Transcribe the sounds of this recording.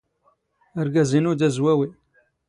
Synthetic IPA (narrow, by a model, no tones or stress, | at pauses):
əɾɡæzinud̪æzwæwi